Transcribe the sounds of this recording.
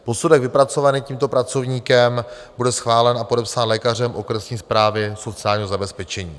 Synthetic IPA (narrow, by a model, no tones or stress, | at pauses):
po̞sudɛɡvɪpɾat͡so̞vaniːciːmt̪o̞pɾat͡so̞vɲiːkɛm | budɛsxvaːlɛnapodɛpsaːnlɛːkar̝ɛmʔo̞kɾɛsɲiːspɾaːvɪso̞t͡sɪaːlɲiːɦo̞zabɛspɛt͡ʃɛɲḭː